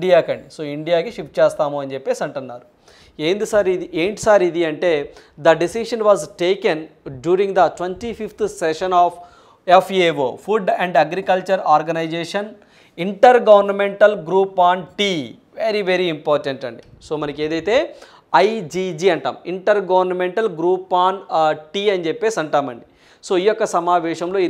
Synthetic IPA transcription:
ɖijaːkɐɳɖisoːiɳɖijaːkiʃipʈt͡ʃeːst̪aːmuɐnd͡ʒɛpːeːsɐɳʈunːaːɾu | eːnd̪isɐɾid̪iʔeːɳʈi̥saːɾid̪iɐɳʈe̞ː | d̪ɐɖisiʂɐnʋaːzʈeːkenɖjuːɾĩŋɡd̪ɐʈʋenʈipʰipt̪ʰsɛʃɐnaːf | efʰeʋoːpʰuɖɛɳɖɐɡɾikɐlt͡ʃɐɾaːɾɡɐnɐjd͡ʒeːʂɐn | iɳʈɐɾɡɐʋɐɾnɐmeɳʈɐlɡɾuːpaːnʈiː | ʋeɾiʋeɾiːmpaːɾʈeɳʈɐɳɖiso̞ːmɐnɐke̞ːd̪ɐjt̪e̞ː | ɐjd͡ʒiːd͡ʒiːɐɳʈa̰ːmiɳʈɐɾɡɐʋɐɾnɐmeɳʈɐlɡɾuːpaːnʈiːɐnd͡ʒepːeːsɐɳʈaːmɐ̰ɳɖi | soːijɔkːɐsɐmaːʋɛːʃɐmlo̞ːi

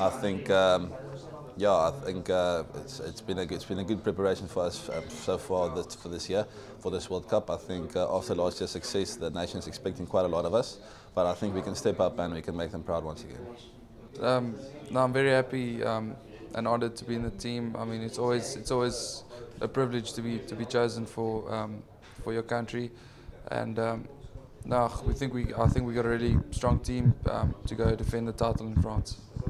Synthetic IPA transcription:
ʔaɪθɪ̃ŋkʌm | jæaɪθɪ̃ŋkʌɪ̰tsɪ̰tsb̥ĩnəɪtsb̥ĩnəɡʊd̚pʰɹ̥ɛpəɹeɪʃə̃nfəasʌ̰soʊfɑːðɪfəðɪsjiə | fəðɪswɜlˠd̚kʰʌpaɪθɪ̃ŋkʰʔɑftəlɑːˑstjiəsəksɛsðəneɪʃə̃nzɛkspɛk̚tɪ̃ŋkw̥aɪɾəlɔɾʌvɐs | b̥ʌɾaɪθɪ̃ŋkwikə̃nstɛpapə̃nwikʰə̃nmeɪk̚ðə̃mpʰɹ̥aʊd̚wãnsəɡɛ̰̃n | ʌ̃mnaʊãɪ̃ɱvɛɹihæpiʌ̃m | ʔə̰̃nɔdəd̚tʰəbiɪ̃nðətʰĩːma̰ɪmĩnɪtsɔlˠwizɪtsɔlˠwizʔəpʰɹ̥ɪvlɪ̥d͡ʒtʰɨbitʰəbit͡ʃʰoʊzə̃nfəʌm | fəjəkʰãntɹ̥i | ʔə̰̃nʌm | nawiθɪ̃ŋkwia̰ɪθɪ̃ŋkwiɡɔɾəɹilistɹ̥ɔ̃ŋtʰĩmʔʌ̰̃mtʰəɡoʊə̃ndɪfɛ̃nd̪ðətʰaɪtˡl̩ˠɪ̃nfɹɑ̃ns

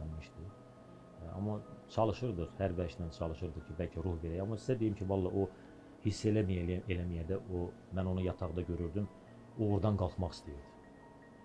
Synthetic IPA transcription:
ænmiʃd̪i | ɑ̰mːɑt͡ʃʰɑlˠɯʃɯɾd̪ɯχhæɾvæɾʃd̪ænt͡ʃʰɑlˠɯʃɯɾd̪ɯχcʰibælcʰæɾuhveɾæjɑmːɑsi̥zæd̪ejimcʰivɑlˠːɑʔo | hisːelæielæmijæd̪æo | mæno̞nujɑt̪ʰɑʁɯd̪ɑɟø̞ɾyɾd̪ym | oʁuɾd̪ɑnɡɑlˠt̪mɑχi̥st̪ijiɾd̪i̥

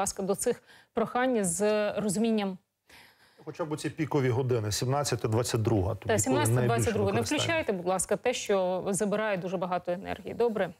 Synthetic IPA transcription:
ɑskɐd̪ɔt̪sɪxpɾɔxɑnʲːzrɔzʊmʲinʲːɐm | xɔt͡ʃabʊt͡sʲipʲikɔʋʲiɦɔd̪ɪnɪsʲimnat͡sʲːɐt̪ʲɐd̪ʋat͡sʲːɐt̚ʲd̪ɾuɦɐ̰t̪ɔsʲimnɑt͡sʲsʲɐt̪ɐʋɑt͡sʲːɐd̪ɾuɦɐnɛwklʲʊt͡ʃɑjt̪ɛbud̪lˠɑskɐt̪ɛʃt͡ʃɔzɐbɪɾɑjɛd̪uʒɛbɐɦɑt̪ɔenɛ̰rɦʲijḭd̪ɔbɾɛ

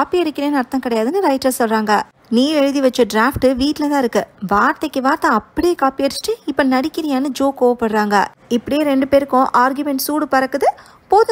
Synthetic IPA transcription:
aːpːiɐɾɪkʲːɪɾeːnːɐɾt̪ːɐ̃ŋkɪɽɐjaːðɯnːɯɾɐɪʈːɐsɔlɾaːŋɡɐ | niːɾɛɻɯðiʋɐt͡ʃːɐɖɾaːfʈɯʋiːʈːɪlɐt̪ãːɪɾɯkːɯʋaːɾt̪ɐkːɯʋaːɾt̪ɐ̃ɐpːɐɽɪjeːkaːpiɐɾɪt͡ʃːɪ̥ʈːɯɪpːɐnɐɽɪkːɪɾɪjaːnɯd͡ʒoːkoːʋɐpːɐɽɯɾaːŋɡɐ̰ | ɪpːɐɽɪjeːɾɛɳɖɯpeːɾɯkːʊ̃ʔaːɾɡjʊmɛɳʈsuːɽɯpɐɾɐkːɯðɯ | poːðɯ

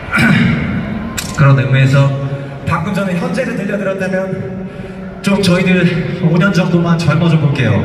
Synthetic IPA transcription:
kɯɾʌnekɯɾes̬ʰʌ | pak͈ɯnd͡ʑʌneçjʌnd͡ʑeːsʰʌtɯʎːʌdɯɾjʌnt͈amjʌn | t͡ɕomt͡ɕʌidɯɭoɲʌnd͡ʑʌŋdomant͡ɕʌɭmʌd͡ʑopok͈e̞jo̰

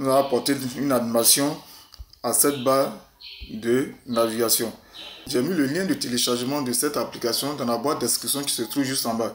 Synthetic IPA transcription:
ɔzapɔʁt̪eynanimasjɔ̃ | asɛt̪̚ba | d̪ənaviɡasjɔ̃ʒɛmiləljɛ̃d̪ət̪eleʃaʁʒmɑ̃d̪əsɛt̪aplikasjɔ̃d̪ɑ̃labwat̪̚d̪ɛskisjɔ̃ki̥sət̪ɾuvʒystɑ̃ba

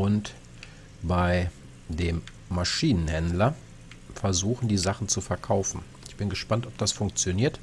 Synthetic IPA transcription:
ʔʊnt | b̥aɪ | deːmː | aʃiːnənhɛndlɐ | fɛɐzuːxn̩diːzaχn̩t͡sufɛɐkʰaʊfn̩ | ɪçb̥ɪnɡəʃpantɔp̚d̥asfʊŋk̚t͡sjoniːɐt

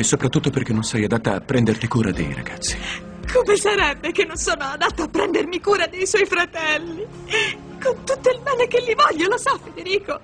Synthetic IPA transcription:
esopɾat̪ːut̪ːoperk̟enːonsɛjad̪at̪ːaːpːɾɛnd̪ert̪ikuːɾa̰d̪ḛjɾa̰ɡat̪sːi̥ | k̪ʰupensaɾɛbːekenːonsoːnoad̪at̪ːoapːɾɛnd̪ermikuːɾad̪ejswɔjfɾat̪ɛlːi | kont̪ut̪ːoilbɛːnekelːivɔʎːolosafːed̪eɾiːko

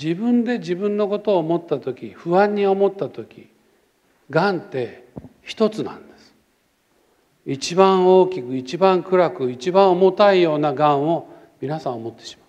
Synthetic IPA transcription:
d͡ʑibɯ̟̃nd̪e̞d͡ʑibɯ̟̃nːo̞ko̞t̪o̞ːmo̞t̪ːat̪o̞kʲiɸɯ̟ãɲ̟ːio̞mo̞t̪ːat̪o̞kʲi | ɡãnt̪e̞çi̥t̪o̞t͡sɨnã̰nd̪̥e̞̥sɨ̥ | it͡ɕibãɰ̃o̞ːkʲikɯ̟it͡ɕibãŋkɯ̟ɾakɯ̟it͡ɕibãɰ̃omo̞t̪aijo̞ːnaɡãɰ̃o̞ | mʲinasãomo̞t̪ːe̞̥ɕi̥mḁ

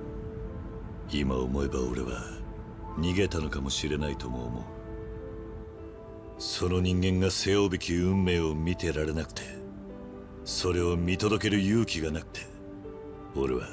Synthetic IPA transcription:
ima̰o̰mo̞e̞bao̞ɾe̞̰βa̰ | ɲ̟iɡe̞t̪ano̞kamo̞ɕiɾe̞nait̪o̞mo̰ːmo̞̰ɯ | so̞no̞ɲ̟ĩŋɡẽ̞ŋɡase̞jo̞ːbe̞kʲiɯ̟̃mːe̞ːo̞mʲit̪e̞ɾaɾe̞nakɯ̟̥t̪ʰe̞ | so̞ɾe̞o̞mʲit̪o̞d̪o̞ke̞ɾɯ̟jɯ̟ːkʲiɡanakɯ̥t̪ʰe̞̥ | o̞ɾe̞βa

